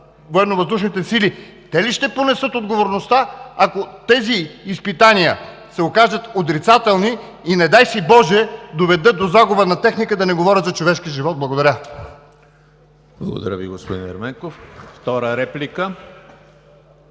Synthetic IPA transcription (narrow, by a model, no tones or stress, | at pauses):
voɛnovɐzd̪uʃnit̪ɛsili | t̪ɛliʃt̪ɛponɛsɤt̪od̪ɡovoɾnost̪aakot̪ɛziːspit̪anijə | sɛokaʒət̪ot̪ɾit̪sat̪ɛlˠniː | nɛd̪ajsibɔʒɛd̪ovɛd̪ɤd̪ozaɡʊbənɐt̪ɛxnikəd̪ɐnɛɡovɔɾʲət̪zɐt͡ʃovɛʃkiʒivɔt̪̚blˠɐɡod̪ɐɾʲə | b̥lˠɐ̰ɡo̰d̪ɐ̰ɾʲə̰vḭɡospod̪ḭnɛ̰ɾmɛŋkofft̪ɔɾəɾɛplikə